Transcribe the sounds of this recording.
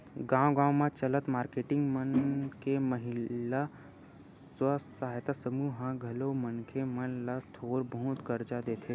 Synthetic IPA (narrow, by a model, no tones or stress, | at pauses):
ɡãːwɡãːmãt͡ʃələt̪maːɾkeːʈɪ̃ŋɡmənkeməɦɪla | swəsaːɦjt̪asəmuɦãɡʱɐlomənkʰemənlast̪ʰoːɾbəɦʊt̪kəɾd͡ʒad̪eːt̪ʰe